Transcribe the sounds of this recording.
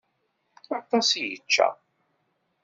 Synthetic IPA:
əɾt̪ˤːɑsijə̰t͡ʃːæ̰

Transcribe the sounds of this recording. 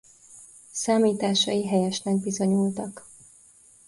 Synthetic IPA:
saːmiːt̪aːʃɒ̰iɦɛjɛʃnɛɡ̚bizo̞ɲult̪ɒk

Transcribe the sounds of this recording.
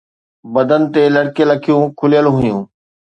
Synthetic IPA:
bɐd̪ənɪ̆t̪elɐɽkelɐkʰijũkʰʊljəlɦʊjũː

